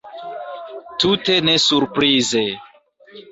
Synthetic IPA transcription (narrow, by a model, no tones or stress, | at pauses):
tute̞nesuɾpɾize